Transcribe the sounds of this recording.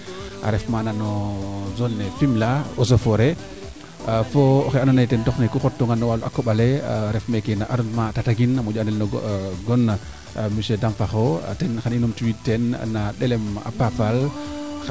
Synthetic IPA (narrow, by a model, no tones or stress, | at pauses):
ʔa̰ɾɛfmananɔzɔnːɛfimlaɔsofɔɾɛ | fɔɔxɛanɔnɛtɛntɔxnɛkuxɔtːɔŋɡanːɔwaluʔakːɔɓalɛɾɛfmɛkɛnaʔaɾɔnmatataɡinamud͡ʒanɛlnɔɡɔnːa | misɛdamfaxɔtɛnxaninɔmtuwitːɛnnaɗɛlɛma̰papal